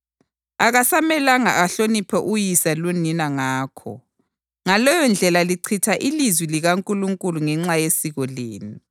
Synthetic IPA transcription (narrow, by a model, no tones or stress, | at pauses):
aɣasamɛlaŋa̰aɬonipʰɛʔujisaluninaŋaːkʰɔ̰ | ŋalɔjɔnd͡ɮʱɛlaliǀʰitʰaʔilizwiliɣaŋkʼuluŋkʼuluŋɛŋ͡ǁajesiɣɔleːnu